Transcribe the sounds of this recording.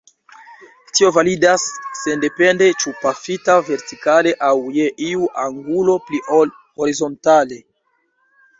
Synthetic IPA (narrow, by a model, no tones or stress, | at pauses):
tio̞validasːe̞nde̞pe̞nde̞t͡ʃupafitave̞ɾtikale̞ʔawje̞ʔiuʔaŋɡulo̞pliʔol | ho̞ɾizo̞ntale̞